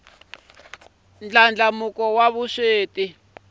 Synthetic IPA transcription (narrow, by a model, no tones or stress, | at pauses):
nd͡ɮand͡ɮamukɔwaβuʃeːti